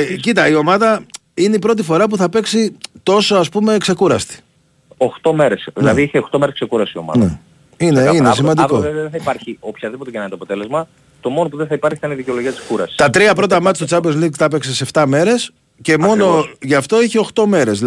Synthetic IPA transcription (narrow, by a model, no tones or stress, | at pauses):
cit̪ɐio̞mɐðɐ | ine̞ipɾo̞t̪̬ifo̞ɾɐp̬uθɐpe̞ksit̪o̞so̞ɐspume̞kse̞kuɾɐst̪i̥ | oxt̪o̞meɾesðilɐðiiçeoxt̪o̞meɾesksekuɾɐsio̞mɐ̰nðe | ineinesimɐnd̪ikoðeθɐipɐɾçiopçɐðipo̞t̪eɐnɐnt̪oɐpot̪e̞le̞zmɐ | t̪o̞mo̞nop̬uðeθɐipɐɾçi̥t̪ɐniðiceo̞loʝiɐt̪iskuɾɐsi̥st̪ɐt̪ɾiɐpɾo̞t̪ɐmɐt̪st̪ot͡sɐbeɾzliɡt̪ɐpekseseft̪ɐme̞ɾe̞s | ce̞mo̞no̞ʝɐft̪o̞içeo̞xt̪o̞me̞ɾe̞z